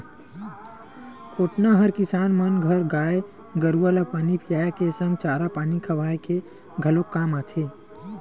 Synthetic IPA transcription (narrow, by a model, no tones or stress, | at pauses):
kʰoːʈnaɦəɾkɪsaːnmənɡʱəɾɡaːe | ɡəɾualapaːnipʰɪjaːjakesə̃ŋɡ̚t͡ʃaːɾapaːnikʰɐʋaːeke | ɡʱəlokːaːmaːt̪ʰeː